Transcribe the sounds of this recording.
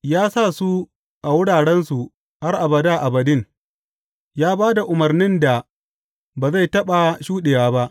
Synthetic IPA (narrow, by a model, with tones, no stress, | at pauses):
jaː˦sa˦˨su˦ | ʔa˨wʊ˦ɽaː˨ɽɛ˦nsu˨ | ha˦rʔa˨bɐ˨daː˦˨ʔa˨bɐ˨dɪ˦˨ŋ | jaː˦baː˦da˨ʔʊ˨mɐ˨rnɪ˦nda˨ | baː˨za˦˨jtɐ˦ɓa˨ʃuː˦ɗeː˨jaː˦ba˦ʔ